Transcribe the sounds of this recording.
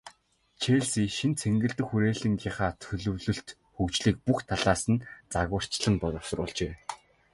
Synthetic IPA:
t͡ɕʰeɮsiːʃint͡sʰeŋɡɘ̆ɬt̪ɘ̆xuɾeːɮɘ̆ŋɡʲiːχaːt͡sʰɵɮɵ̆wɮɵ̆ɬt̪ | xukt͡ɕɮiːk̚puxt̪ʰaɮaːsə̆nt͡saɣə̆r̥t͡ɕɮə̆np̪ɔt̪ɔsɞ̆rʊ̰ːɮt͡ɕeː

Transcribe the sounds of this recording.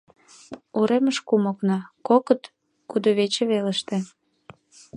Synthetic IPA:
uɾeməʃkumoknɑkokət̪ | kud̪oβet͡ɕeβelə̆ʃt̪ĕ

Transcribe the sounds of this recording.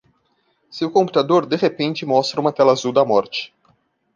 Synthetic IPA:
seʊkõmput̪ad̪oɾd̪eʁepẽnt͡ʃɪmɔst̪ɾɐũmɐt̪ɛlazuwd̪ɐmɔɾt͡ʃɪ̥

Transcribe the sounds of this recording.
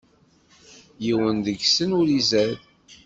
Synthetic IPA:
jiwənd̪əɡsənʊɾizæð

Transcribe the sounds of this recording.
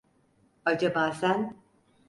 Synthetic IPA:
ad͡ʒabaːsæn

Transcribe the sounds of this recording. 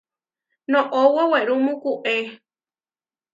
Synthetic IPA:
nõʔowoweɾumũkuʔe

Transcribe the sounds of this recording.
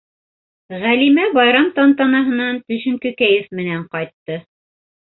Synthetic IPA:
ʁælimæbɑjɾɑmt̪ɑnt̪ɑnɑɦɤ̆nɑnt̪ɵ̆ʃɘ̆ŋkɵ̆kæjɘfmɘ̆næɴqɑjt̪ːɤ

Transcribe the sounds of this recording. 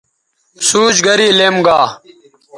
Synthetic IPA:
suːd͡ʑɡəɾiːleːmɡaː

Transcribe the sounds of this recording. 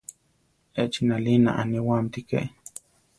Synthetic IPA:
et͡ʃinalina̰ʔa̰niwant̪ikḛ

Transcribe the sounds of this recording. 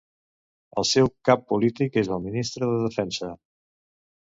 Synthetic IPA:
ə̰lˠsɛwkapːulit̪ikezəlˠminist̪ɾəðəðəfɛnsə

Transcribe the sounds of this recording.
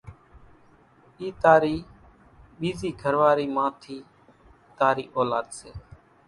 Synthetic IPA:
iːt̪aːɾiː | ɓiːziːɡʱəɾʋaːɾiːmãːt̪ʰiː | t̪aːɾiːʔoːlaːd̪seː

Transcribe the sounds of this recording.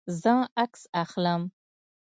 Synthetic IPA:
zəaksaxləm

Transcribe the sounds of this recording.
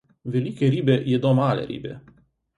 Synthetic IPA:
velikʲeɾibejed̪omalḛɾḭbḛ

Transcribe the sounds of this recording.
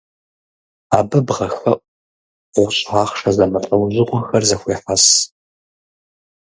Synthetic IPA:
a̰ːbɨbʁɐxɐʔʷ | ʊɕʼʕaːχʂɐzɐmɐtʼɐwʑɪqʷʼʊxɐrzɐxʷeːħas

